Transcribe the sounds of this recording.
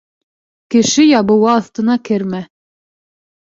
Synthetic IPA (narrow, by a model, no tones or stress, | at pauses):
kɘ̆ʃɘjɑβɤ̆wɑːθt̪ɤ̆nɑkɘɾmæ